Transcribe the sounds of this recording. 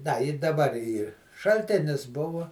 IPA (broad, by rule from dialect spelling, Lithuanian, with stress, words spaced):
dɐ ɪ dɐˈbɐr ˈiːr ʃɐlʲˈtʲeːnʲɪs ˈbʊʋoː